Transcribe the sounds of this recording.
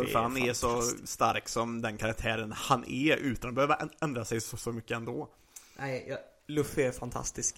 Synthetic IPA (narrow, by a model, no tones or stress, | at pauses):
əɾhanɛɾʂɔst̪aɾksɔmd̪ɛnkʰaɾak̚t̪ʰæːɾənhanʔɛ̰ʉ̟ːt̪anɔbɛhøːvəɾɛnd̪ɾasɛjsɔsɔmʏkːəɛnd̪ɔː | nʔæɪjɑ | lɵfɛfant̪ʰa̰st̪ɪsk